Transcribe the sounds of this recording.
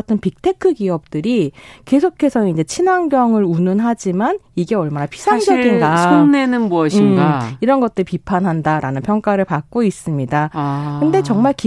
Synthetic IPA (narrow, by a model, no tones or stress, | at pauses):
tʰɯnpik̚tʰe̞kʰɯɡiʌp̚t͈ɯɾike̞sʰokʰe̞sʰʌind͡ʑe̞t͡ɕʰinaŋɡjʌŋɯɾunɯnɦad͡ʑimaniɡe̞ʌɭmanapʰi̥sʰaŋd͡ʑʌɡinɡaoŋnenɯnmuʌɕimɡaiɾʌnɡʌt̚t͈ɯɾipipʰanɦandaɾanɯnpʰjʌŋk͈aɾɯɭpak͈̚ois͈ɯmɲidakɯnde̞t͡ɕʌŋmaɭk